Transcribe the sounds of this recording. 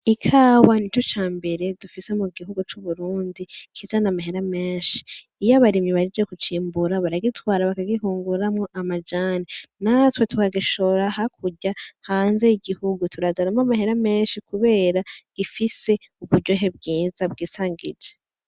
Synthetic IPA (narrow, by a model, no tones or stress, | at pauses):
ikʰaːwanitut͡ʃaːmbe̞ɾe̞dufise̞muɡiɦuɡut͡ʃuβuɾuːndikʰizanamaheɾameːnʃi̥ː | jaβaɾimiβaɾid͡ʒekut͡ʃiːmbuɾaβaɾaɡitwaːɾaβakaɡiɦuːŋɡuɾamŋo̞ʔamad͡ʒaninatwe̞tukaɡiʃo̞ɾahakʰuɟahaːnze̞iɡihuɡutuɾazaɾamamaheɾame̞ːnʃikuβe̞ːɾaɡ̥ifise̞ | uβuɾɟo̞ɦe̞b̚ɡiːzab̚ɡiːsaːŋɡid͡ʒe